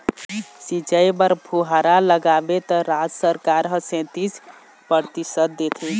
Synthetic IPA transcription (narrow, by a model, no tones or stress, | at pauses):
sit͡ʃəjbəɾpʰuɦaɾaləɡabet̪əɾad͡ʒsəɾkaɾɦəsẽt̪is | pəɾt̪isət̪̚d̪et̪ʰi